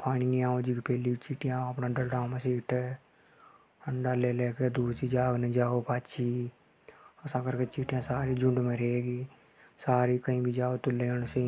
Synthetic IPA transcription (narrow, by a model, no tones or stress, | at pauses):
pʰaːɽiniaːõd͡ʒiːkpeːlit͡ʃiːʈɪjãːəpnaːɖəlɖaːmãsiːʈeː | əɳɖaːleːleːked̪uːsiːd͡ʒaːɡnẽd͡ʒaːopaːt͡ʃʰiː | əsãːkəɾket͡ʃiːʈjãːsaːɾiːd͡ʒʊɳɖmẽːɾeɡiː | saːɾiːkəĩːbʱid͡ʒaːoːt̪ʊleənse